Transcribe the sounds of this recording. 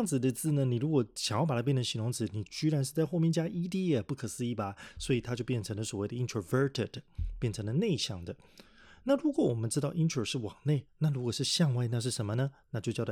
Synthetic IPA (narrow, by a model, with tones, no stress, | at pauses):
jɑ˥˧ŋd͡zɹ̩˩d̪ə˨t͡sɹ̩˥˩nə˩ni˨˩ɻu˧˥kwɔ˨˩˦ɕɑ˨˩ŋjpa˨˩a˥pjɛ˥˨nʰ˩ə˧˥ɕi˧˥no˧˥ŋt͡sɹ̩˧˩ni˨˩t͡ɕy˥ɻa˧˥nʂ̬ɻ̩˥˧t͡sa˥˧ɪxo˥˧ʊmjɛ˥˧nt͡ɕja˥ʔi˥t̪i˥ə˨˩pu˥˩kʰɤ˨˩sɹ̩˥i˧˥˩ba˨swɔ˧˥i˨˩t̪ʰa˥t͡ɕjo˥˧ʊpjɛ˥˩nʈ͡ʂʰɤ˧˥ŋlə˧swɔ˨˩we˥˩ɪə˩˧i˧ntʰɹə˧və˥˧˥t̪ʰɪ˨˩dpjɛ˥˩nʈ͡ʂʰɤ˧˥ŋd̪ə˧ne˥˧ɪɕjɑ˥˩ŋd̪ə˩ | na˥˩ɻu˧˥kwɔ˨˦wɔ˨˩mə˦nʈ͡ʂɻ̩˥t̪ɑ˥˩ʊʔi˥ntʰə˨˩ʂɻ̩˥˩wɑ˨˩ŋne˥˩ɪna˥˩ɻu˧˥kwɔ˨˩ʂɻ̩˥˧ɕjɑ˥˧ŋwa˥ɪna˥˧ʂ̬ɻ̩˥˩ʂə˧˥nmə˧nə˧na˥˧t͡ɕjo˥˧ʊt͡ɕjɑ˥˧˥